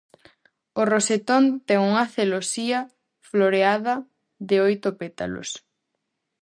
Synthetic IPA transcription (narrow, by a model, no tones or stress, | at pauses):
oroset̪ont̪ɛŋuŋɐθelosiɐ | floɾeaðɐ | ðɪojt̪opet̪a̰lo̰s